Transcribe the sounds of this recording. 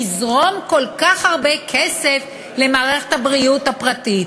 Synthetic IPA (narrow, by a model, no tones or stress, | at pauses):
izʁo̞mko̞lkaχhaʁbekʰese̞f | le̞maːʁe̞χethabʁiutapʁatit